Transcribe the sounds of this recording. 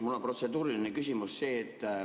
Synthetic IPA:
mulːopro̞t̪se̞d̪uːɾilinekysimusse̞ːt̪ː

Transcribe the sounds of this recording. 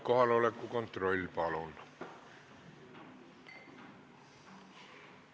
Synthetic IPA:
kohɑnolekkukont̪rolʲːipɑlonːɑ̥

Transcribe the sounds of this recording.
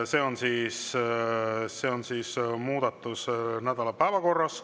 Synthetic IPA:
se̞ːo̞nsiːs | se̞ːonsiːsmuːd̪̥ɑt̪ːˑusnæd̪̥ɑlɑpæevɑko̞rːɑs

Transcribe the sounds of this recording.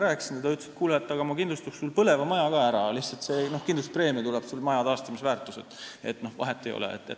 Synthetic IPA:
ɾæːksint̪ed̪ɑyt̪ːˑsi̥t̪̚kuːlɑt̪ːˑɑɡ̥ɑmɑkind̪lust̪ukssulpɤle̞vɑmɑjɑkɑːæɾɑliht̪sɑlt̪seːno̞hkind̪lust̪̚pre̞ːmit̪ulɛb̥sulmɑjɑt̪ɑːst̪ɑmisvæːrt̪ːˑuse̞t̪ːˑe̞t̪ːno̞hvɑ̰ɦet̪ːˑejo̰lʔɛ̰ḛt̪ːet

